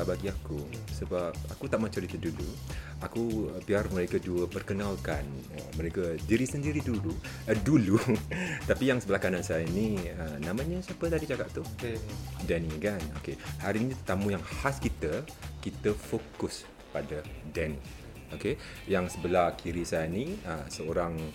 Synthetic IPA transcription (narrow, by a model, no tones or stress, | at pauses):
abaɡiakusəbap̚akut̪aʔmat͡ʃəɾit̪ədulu | akuəpiarməɾekəduəpərkənalkan | ə̰məɾekədiɾisəndiɾidulu | ədulut̪apijaŋsəbəlahkanansajəiniənamãɲəsapət̪adit͡ʃakaʔt̪u | dɛnikano̰kehaɾinĩt̪ət̪amũjaŋhaskit̪ə | kit̪əfokʊs | padədɛn | oke | jaŋsəbəlahkʰiɾisajəniəsəoɾaŋ